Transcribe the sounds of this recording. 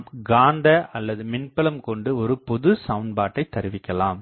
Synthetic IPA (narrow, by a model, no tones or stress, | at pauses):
ɡaːnd̪ɐɐlːɐðɯmɪnpɐlɐmkɔɳɖɯɔɾɯpɔðɯsɐʋnbaːʈːɐɪt̪ːɐɾɯʋɪkʲːɐlaːm